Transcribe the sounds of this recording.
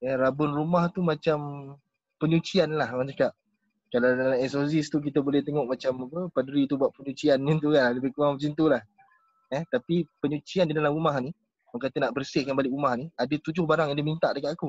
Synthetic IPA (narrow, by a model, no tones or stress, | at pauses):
ɛrabʊnrumaht̪umat͡ʃam | pəɲut͡ʃianlahwant͡ʃakaʔ̚ | kalawdalaɛsosist̪uk̬it̪əbolɛht̪eŋɔʔmat͡ʃamapəpaduɾit̪ubwaʔ̪̚pəɲut͡ʃianːint̪̬ukanlləbɪhkuaŋət͡ʃint̪ulah | ɛht̪apipəɲut͡ʃiandidalamumahni | maŋkat̪ənaʔbərsɪhkanbalɪkɾumahniadət̪ud͡ʒʊhbaɾaŋjaŋdimint̪aʔdəkat̪aku